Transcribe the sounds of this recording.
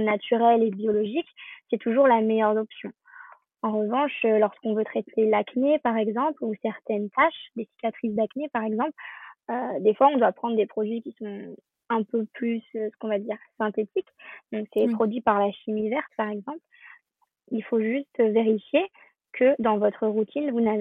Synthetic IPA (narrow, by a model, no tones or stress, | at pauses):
nat̪yʁɛlebjɔlɔʒiksɛt̪uʒuʁlamɛjœʁd̪ɔpsjɔ̃ | ɑ̃ʁəvɑ̃ʃølɔʁskɔ̃vøt̪χɛt̪ʰelaknepaʁɛɡzɑ̃plusɛʁt̪ɛnt̪ʰaʃd̪esi̥kʲat̪χis̬d̪aknepaʁɛɡzɑ̃plød̪efwaɔ̃d̪wapχɑ̃d̪ʁd̪epχɔd̪ɥikʲisɔ̃ | ɛ̃pøplysøsə̥kɔ̃vad̪iːʁsɛ̃t̪et̪ʰikd̪ɔ̃ksɛpχɔd̪ɥipaʁlaʃimivɛʁt̪paʁɛɡzɑ̃pl | ilfoʒyst̪veʁifje | kʰəd̪ɑ̃vɔt̪χəʁut̪ʰinvunav